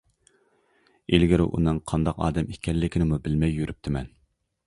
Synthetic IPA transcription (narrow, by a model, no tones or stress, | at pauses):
elɡʲiɾɪ̰ʔṵnɨŋqʰɑnd̪ɑqɑ̰ːd̪ɛmikʲʰːɛnːɪkʲinɪmubɪlmɛjːyɾʔyp̚t̪ʰɪmɛn